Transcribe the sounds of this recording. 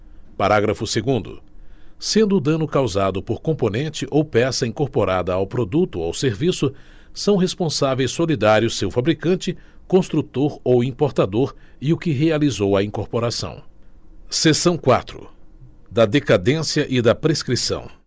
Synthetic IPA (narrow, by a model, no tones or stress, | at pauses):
paɾaɡɾɐfʊseɡũnd̪ʊ̰sẽnd̪ʊd̪ɐ̃nʊkawzad̪ʊpoɾkõmponẽnt͡ʃɪʔowpɛsɐĩŋkoɾpoɾad̪ɐawpɾod̪ut̪ʊawseɾvisʊ | sɐ̃w̃ɦespõsavejsːolid̪aɾjʊsewfabɾikɐ̃nt͡ʃɪkõst̪ɾut̪oɾowĩpoɾt̪ad̪oɾ | iʊkɪɦealizowɐĩkoɾpoɾasɐ̰̃w̃ | sesɐ̃w̃kwa̰t̪ɾʊ̰ | d̪ɐd̪ekad̪ẽsiɐʔɪd̪ɐpɾeskɾisɐ̰̃w̃